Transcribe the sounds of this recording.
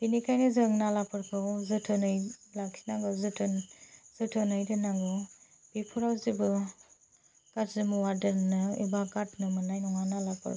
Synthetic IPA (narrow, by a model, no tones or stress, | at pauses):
binikʰajnɯzɯŋnalapʰɯɾkʰɯwzɯtʰɯnɯjlaksʰi̥naŋɡɯwzɯtʰɯnz̥ɯtʰɯnɯjdɯnaŋɡɔ | b̥ipʰuɾawzibɯ | katzimuwadɐɾnɯḭbaɡatnɯmɯnajnɔŋanalapʰɯ̰ɾ